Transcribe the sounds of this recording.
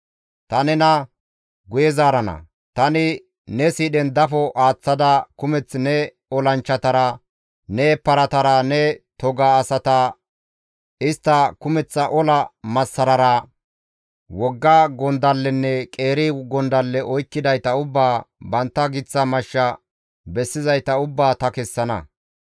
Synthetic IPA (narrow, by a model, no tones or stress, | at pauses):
t̪ɐnɛnɐ | ɡʊjɛzaːɾɐnɐ̰ | t̪ɐnɪ | nɛsiːɗɛnd̪ɐfɔʔaːt͡sːɐd̪ɐkʊmɛt͡sːnɛ | ɔlɐnt͡ʃːɐt̪ɐɾɐ | nɛpːɐɾɐt̪ɐɾɐnɛt̪ɔɡaːsɐt̪ɐ | ɪst̪ːɐkʊmɛt͡sːɐʔɔlɐmɐsːɐɾɐɾɐ | wɔɡːɐɡɔnd̪ɐlːɛnːɛkʼeːɾɪɡɔnd̪ɐlːɛʔɔjkːɪd̪ɐjt̪ɐʊbːaːbɐnt̪ːɐɡɪt͡sːɐmɐʃːɐ | bɛsːɪzɐjt̪ɐʊbːaːt̪ɐkɛsːɐnɐ̰